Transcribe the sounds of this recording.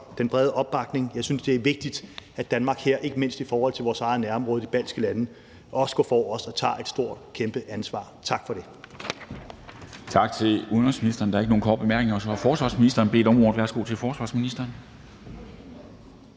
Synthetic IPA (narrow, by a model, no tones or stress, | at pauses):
d̥enb̥ʁɛð̞ˠəʔɒ̽b̥ːɑ̈ɡ̥ne̝ŋjɑ̈ɪsynsd̥e̝æɐʋe̝ɡ̥̚d̥id̥æd̥ænmɑ̈ːɡ̥heɐ̰ʔe̝ɡ̥əme̝n̰sd̥ifɒːhɒ̽l̰t͡sʰe̝lʋɒːsɑ̈ɪð̩ˠnæɐɒ̽mʁɔ̽ːð̞̩ˠdib̥æl̰sɡ̥əlænə | ʔɒ̽sə̥ɡ̥ɔ̰ːfɒːɒ̽sɒ̽t͡sʰɑ̰̈ːʔe̝d̥sd̥o̝ɐ̰d̥kʰemb̥əʔænsʋɑ̰̈ːt͡sʰɑ̈ɡ̥fɒ̽ɾ̥e̝ | t͡sʰɑ̈ɡ̥̚t͡sʰe̝luðˠnʁɔsminisd̥ɐnd̥ɑ̈ɐeɡ̥əno̝ːnkʰɒ̰̥ːb̥emæɐɡ̥ne̝ŋɒsɒhɑ̈fɒːsʋɑ̈ːsminisd̥ɐːnbe̝̰ːd̥ɒ̽mʁɔ̰ːlæɐsɡ̥o̰ːt͡sʰe̝lfɒːsʋɑ̈sminisd̥ɐːn